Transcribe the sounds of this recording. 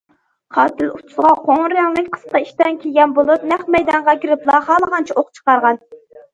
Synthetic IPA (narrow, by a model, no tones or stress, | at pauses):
qʰɑːt̪ɪlut̪ʰʊ̥sʁɑqʰoŋɾɨɾɑŋlˠɨkʲqʰə̥sqɑiʃt̪ɛnkʲʰeɡʲɛnbolˠup̚nɛχmɛjd̪ɑɴʁɑkʲiɾɪplˠɑhɑːlˠəʁɑnt͡ʃʰɛʔoχt͡ʃʰə̥qɑɾʁɑn